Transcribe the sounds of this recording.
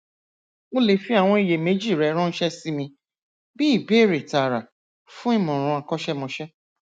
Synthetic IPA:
o˦le˨fi˦a˦˨w̃ɔ̃˧i˨je˨me˨˦d͡ʒi˦˨ɾɛ˨˦ɾ̃ɔ̃˦n̩˦ʃɛ˦si˦mĩ˧ | bi˦i˦˨be˨˦˨ɾe˨ta˨ɾa˨ | fũ˦i˦˨mɔ̃˨ɾ̃ũ˧a˧kɔ˦ʃɛ˦mɔ̃˧ʃɛ˦

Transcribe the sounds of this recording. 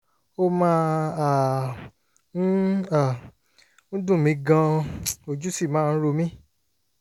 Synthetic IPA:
o˦mãː˦˧a˨ | n̩˦a˨ | n̩˦dũ˦˨mĩ˧ɡã˧o˨d͡ʒu˦si˦˨mãː˨˦˧ɾo˧mĩ˦

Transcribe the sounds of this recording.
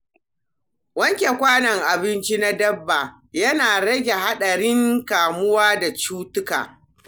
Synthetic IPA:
wɐ˦ŋkʲe˨kʷaː˦nɐ˨ŋʔa˨bɪ˦nt͡ʃi˦na˦dɐ˦bːa˨ | jɐ˦naː˨ɽɐ˦ɡʲe˨ɦa˦ɗɐ˨ɽɪ˦ŋkaː˨mʊ˦waː˦da˨t͡ʃuː˦tʊ˦ka̰ː˨

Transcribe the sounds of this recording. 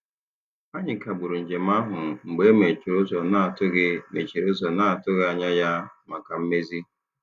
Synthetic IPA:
a˦ɲɪ˨ka˨ɡ͡bʊ˨ɾu˨n̩˨d͡ʒe˨m̩˦a˦ɦʊ˨ŋ͡m̩˨ɡ͡be˦me˨ɾʊ˦zɔ˨na˦˨tʊ˦ɡme˨t͡ʃi˨ɾo˦zɔ˨na˦a˨tʊ˦ɣa˨ɲa˦ja˦ma˨ka˨m̩˦me˦zi˦

